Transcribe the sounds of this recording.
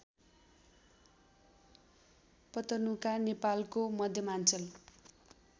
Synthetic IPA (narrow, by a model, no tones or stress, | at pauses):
pʌt̪ʌnukanepalkomʌd̪ʱjʌmant͡sʌl